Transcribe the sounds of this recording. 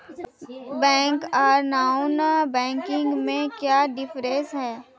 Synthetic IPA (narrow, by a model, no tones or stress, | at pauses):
bɛ̃ːŋkaːɾnaːʊnbɛ̃ːŋkɪ̃ŋɡmẽkjaːɖɪfʰɾesɦɛː